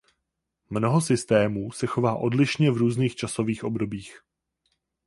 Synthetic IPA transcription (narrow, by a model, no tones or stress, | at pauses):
mno̞ɦo̞sɪst̪ɛːmuːsɛxo̞vaːʔo̞dlɪʃɲɛvɾuːzniːxt͡ʃaso̞viːxʔo̞bdo̞biːx